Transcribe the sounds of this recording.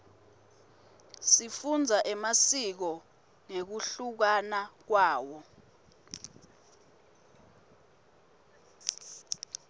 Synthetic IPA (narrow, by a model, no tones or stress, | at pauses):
sifund͡zʱaʔɛmasik̬ɔ | ŋek̬uɬuk̬anak̬waːwɔ